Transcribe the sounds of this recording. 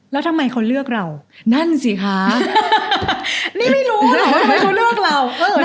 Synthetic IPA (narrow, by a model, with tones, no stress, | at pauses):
lɛː˦˥t̪ʰa˧mːa˧jkʰa˦˥wlɯ˥˩ək̚ɾa˧w | na˥˩nsi˨˩˦kʰa˦˥ | niː˥˩ma˥˩jɾuː˦˥a˧˩jkʰa˦˥wlɯ˥˩ək̚ɾa˧˩wʔɤː˧